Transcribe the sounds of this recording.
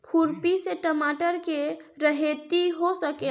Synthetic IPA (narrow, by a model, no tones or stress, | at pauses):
kʰuɾpiseʈəmaʈəɾkeɾəɦet̪iɦosəke